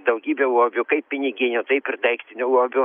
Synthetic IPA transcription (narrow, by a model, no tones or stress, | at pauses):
d̪ɐʊɡʲiːbʲɛuoːbʲʊkɐɪpʲpʲɪnʲɪɡʲɪnʲʊt̪ɐɪpɪrd̪ɐɪkt̪ʲɪnʲʊɔːbʲʊ